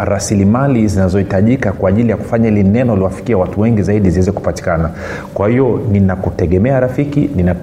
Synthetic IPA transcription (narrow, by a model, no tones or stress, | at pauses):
ɾasilimalizinazɔhitaʄikakwaːʄilijaku̥faɲailinɛnɔliwafi̥kiawatuwɛŋɡizaiɗiziwɛzɛku̥pati̥kana | kwahiɔninakutɛɠɛmɛaɾafikinina